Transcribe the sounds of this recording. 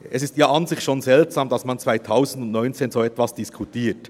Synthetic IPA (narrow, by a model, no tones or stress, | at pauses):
ɛsɪstjaːʔɑnzɪçʃoːnzɛltz̥aːmdɑsmɑnt͡sv̥aɪtʰaʊzn̩dʊntnɔʏnt͡seːnzoːɛtvɑsd̥iskʰutʰiːt